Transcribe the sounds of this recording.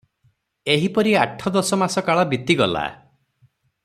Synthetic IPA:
eɦipɔɾiaʈʰːɔd̪ɔsɔmasɔkaɭɔbit̪iɡɔla̰

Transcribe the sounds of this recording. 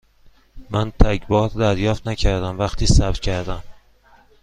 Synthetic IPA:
mænt̪ʰæcbɒːɾd̪æɾjɒːft̪næcʰæɾd̪æmvæχt̪ʰiːsæb̥cʲʰæɾd̪æm

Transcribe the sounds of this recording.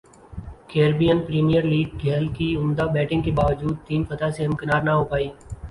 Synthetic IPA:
keːɾbijənpɾiːmijəɾliːɡ̚ɡʱɛːlkiʊmd̪abɛːʈɪ̃ŋɡkebaːʋəd͡ʒuːd̪̚t̪iːnfɐt̪aseɦɐ̃mkɐnaːɾnaɦoːpaːiː

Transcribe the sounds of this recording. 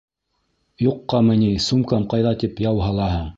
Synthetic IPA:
juqːɑmɘ̆nisumkɑmqɑjðɑt̪ipjɑwɦɑlˠɑɦɤ

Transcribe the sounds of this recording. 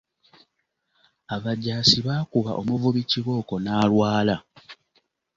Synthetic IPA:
aβaɟaːsiβaːkuβa̰ʔo̞muvuβiciɣo̞ːko̞naːlwaːla

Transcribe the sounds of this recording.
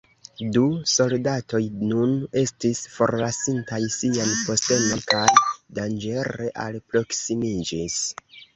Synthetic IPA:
duso̞ldato̞jnune̞stisfo̞̰ɾlasintajsianpo̞ste̞no̞nkajdand͡ʒe̞ɾe̞ʔa̰lpɾo̞ksimid͡ʒis

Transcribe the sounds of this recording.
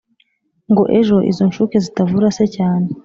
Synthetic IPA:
ŋɡo̞ʔe̞ʒo̞ʔḭzo̞nʃukezitavuɾase̞caːne

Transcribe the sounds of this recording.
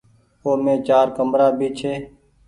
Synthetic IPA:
oːmẽːt͡ʃaːɾkəmɾaːbʱiːt͡ʃʰeː

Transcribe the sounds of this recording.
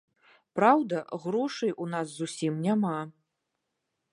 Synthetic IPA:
pɾawd̪ɐɣɾɔʂɨjunasːusʲimnʲama

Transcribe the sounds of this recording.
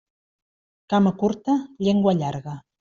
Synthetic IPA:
kaməkuɾt̪əʎeŋɡwəʎaɾɣə

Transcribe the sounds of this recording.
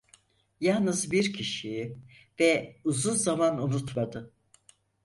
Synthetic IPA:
jalˠnɯzbiɾcʰiʃiji | vɛuzunzamanunut̪mad̪ɯ

